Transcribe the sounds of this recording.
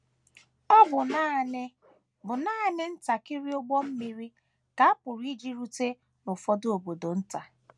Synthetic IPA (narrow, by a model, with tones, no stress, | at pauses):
ɔ˦bʊ˨na˦ne˦ | bʊ˨naː˦nɪ˦n̩˦ta˨kɪ˦ɾi˦o˦ɡ͡bɔ˦m̩˦mi˦ɾi˦ | ka˨a˦pʊ˨ɾi˦d͡ʒi˦ɾu˦te˦ | nʊ˨fɔ˦do˨bo˨do˨n̩˦ta˨